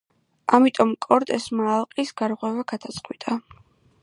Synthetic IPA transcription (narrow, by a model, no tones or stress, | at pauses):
amit̪ʼɔmkʼɔɾt̪ʼɛsmaːlˠqʼisɡaɾʁwɛvaɡ̥ad̪̥at̪sʼqʼwit̪ʼa